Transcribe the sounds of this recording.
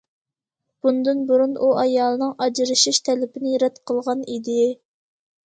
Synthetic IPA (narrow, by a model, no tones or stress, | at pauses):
b̥und̪ɨnbuɾunʔuɑjɑːlˠɨnɨŋʔɑd͡ʒɾɨʃiʃt̪ʰɛlɪpɪnɪjɾɛt̪qʰəlˠʁɑnid̪ɪ